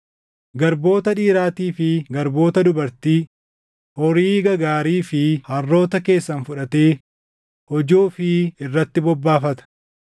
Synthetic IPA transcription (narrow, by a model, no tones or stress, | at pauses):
ɡɐɾbo̞ːt̪ɐᶑiːɾaːt̪iːfɪɡɐɾbo̞ːt̪ɐd̪ʊbɐɾt̪iː | hɔɾiːɡɐɡaːɾiːfɪhɐrːo̞ːt̪ɐke̞ːsːɐnfʊᶑɐt̪e̞ː | hɔd͡ʒuːfɪɪrːɐt̪ːɪbɔbːaːfɐt̪ɐ̥